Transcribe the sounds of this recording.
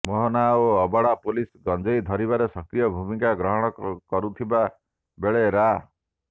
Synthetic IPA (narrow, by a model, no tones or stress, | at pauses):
mɔɦɔnaoɔbɔɽapulisɡɔnd͡ʒɔjd̪ʱɔɾibaɾesɔkɾijɔbʱumĩŋkaɡɾɔɦɔɽ̃ɔkɔɾut̪ʰiba | beɭeɾa